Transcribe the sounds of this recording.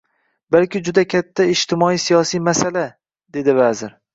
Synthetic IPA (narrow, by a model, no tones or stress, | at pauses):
balkʲɪd͡ʒʊd̪akʲʰat̪ʰːaɪd͡ʒt̪ʰɪmɒijsijɒsijmasala | d̪e̞d̪ɪvazɪɾ